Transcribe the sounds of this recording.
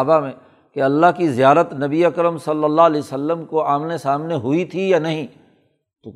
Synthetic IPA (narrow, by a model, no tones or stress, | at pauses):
bamẽ | keɐlːaɦkizijaːɾət̪nɐbiɐkɾəmsɐlːəlːalɛiːsɐlːəmkoaːmnesaːmneɦʊit̪ʰijanɐɦĩː | t̪o